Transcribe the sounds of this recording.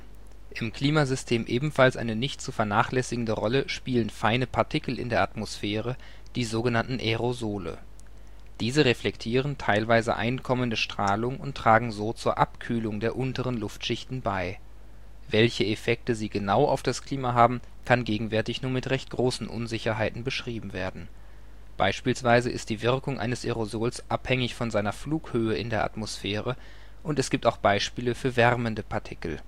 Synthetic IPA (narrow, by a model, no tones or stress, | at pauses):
ʔɪmkl̥iːmazʏstʰeːmʔeːbm̩falsʔa̰ɪnənɪçtt͡sufɛɐnaːχlɛsɪɡŋ̩dəʁɔləʃpiːlənfaɪnəpʰaɐtʰɪkl̩ɪ̰ndeːɐʔatmosfeːʁ̞ə | d̥iːzoːɡənantn̩ʔeʁozoːlə̰ | d̥iːzəʁeflɛktʰiːʁ̞əntʰaɪlvaɪzə̰ʔa̰ɪnkʰɔməndəʃtʁ̥aːlʊŋʊntʁ̥aːɡŋ̩zoːt͡suːɐʔa̰pkʰyːlʊŋdeːɐʔʊntəʁənlʊftʃɪçtn̩baɪ | vɛlçəefɛk̚təziːɡənaʊʔa̰ʊfd̥askl̥iːmaɦaːbm̩ | kʰanɡeːɡŋ̩vɛɐtɪçnuːɐmɪtʁɛçt̚ɡ̥ʁoːsn̩ʔʊ̰nzɪçɐɦaɪtn̩bəʃʁ̥iːbm̩veːɐdn̩ | b̥a̰ɪʃpiːlsv̥aɪzəʔɪ̰st̚d̥iːvɪʁkʊŋʔa̰ɪnəsʔeʁozoːlsʔaphɛŋɪçfɔnzaɪnɐfluːkhøːəɪndeːɐʔa̰tmosfɛːʁə | ʔʊntɛsɡ̥iːp̚taʊxb̥aɪʃpiːləfyːɐvɛʁməndəpʰaɐtʰɪkl̩